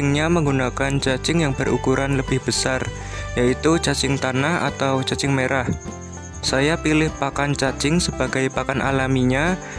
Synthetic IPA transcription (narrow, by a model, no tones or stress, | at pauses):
ɪŋɲaməŋɡunakant͡ʃat͡ʃɪŋjaŋb̥ərṵkuɾʔanləb̥ɪhb̥əsar | jait̪ut͡ʃat͡ʃɪŋt̪anaha̰t̪awt͡ʃat͡ʃɪŋmeɾah | sajapilɪhpakant͡ʃat͡ʃɪŋsəb̥a̤ɡ̥ajpakanʔa̰lamiɲa